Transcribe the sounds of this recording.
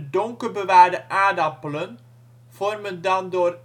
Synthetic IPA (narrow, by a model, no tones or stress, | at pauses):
dɔŋkərbəʋaːɹdəʔaːdɑpələn | v̥ɔrməndɑndoːr